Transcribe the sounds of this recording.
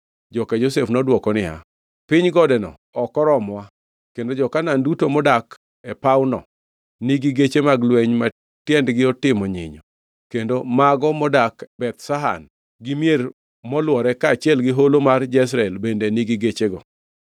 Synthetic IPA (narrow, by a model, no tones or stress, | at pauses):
d͡ʒɔkad͡ʒosefnɔdwɔkɔnɪha̰ | pɪɲɡɔdɛnɔ̰ | ɔkɔɾɔmwa | kendod͡ʒɔkanandutomɔdak | ɛpaʊnɔ̰ | niɡiɡet͡ʃemaɡlweɲma | tjɛndɡɪɔtɪmɔɲɪ̰ɲɔ | kendomaɡɔmɔdakbɛt̪saɦa̰n | ɡɪmjer | mɔlwɔɾɛkaːt͡ʃɪɛlɡɪɦolomard͡ʒɛs̬ɾaɛlbendeniɡɪɡet͡ʃeɡɔ̰